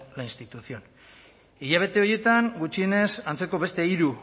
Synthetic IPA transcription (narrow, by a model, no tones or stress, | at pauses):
lainst̪it̪uθio̞n | iʎaβ̞e̞t̪e̞o̞je̞t̪aŋɡut͡ʃie̞ne̞sant͡se̞ko̞βe̞st̪e̞iɾu